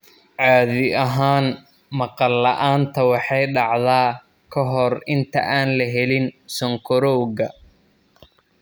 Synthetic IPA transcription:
ʕɑːðɪɐɦaːn | mɑqɑlːɐʔaːnt̪ʰɐwɑħɑjɖɑʕðaː | kʰɔɦɔrɪnt̪ʰɐ̰ʔaːnlɐɦɛlɪnsɔŋkʰɔɾɔwɣɐ

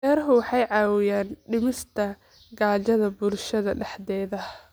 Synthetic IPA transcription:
ɛːrɦʊwɑħɑjʕɑːwɪjaːnɖɪmɪst̪ʰɐ | ɡaːt͡ʃɐðɐbʊlʃɐðɐɖɛħd̪ɛːðɐ

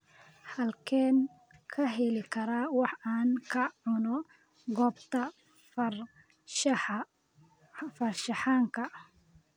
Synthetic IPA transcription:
hɐlkʰɛːn | kʰɐɦɛlɪkʰɐɾaːwɑħaːŋkʰɐʕʊnɔ | ɡɔːbt̪ʰɐ | fɐrʃɑħaːŋkʰɐ

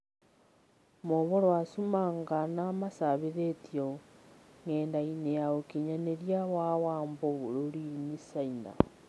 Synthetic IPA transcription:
moβoɾwasumaŋɡanamasaβeɾetio | ŋeːndainejaokiɲaneɾjawawaːmboβoɾoɾinisaina̰

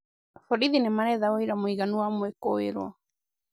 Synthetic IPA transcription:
fɔɾiðinɛmaɾɛðaoiɾamoiɣanuamwekoḛɾwa̰

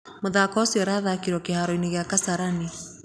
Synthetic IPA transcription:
moðaːkɔsiɔɾaðakiɾɔkehaɾɔineɣeakasaɾani

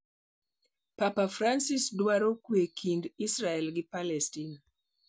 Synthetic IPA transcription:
papafɾansisdwaɾokwekʰindisɾaɛlɡɪpalɛstina

